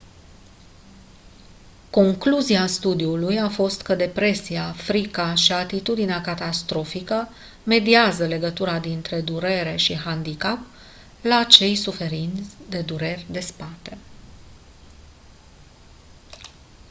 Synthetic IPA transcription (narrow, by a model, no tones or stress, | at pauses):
ko̞ŋkluziast̪ud̪iulujafo̞st̪kəd̪e̞pɾe̞siafɾikaʃiat̪it̪ud̪ineakat̪ast̪ɾo̞fikə | me̞d̪iazəle̞ɡət̪uɾad̪int̪ɾe̞d̪uɾe̞ɾe̞ʃiɦand̪ikap̚ | laːt͡ʃe̞jsufe̞ɾint̪sʲd̪e̞d̪uɾe̞rʲd̪e̞spat̪e̞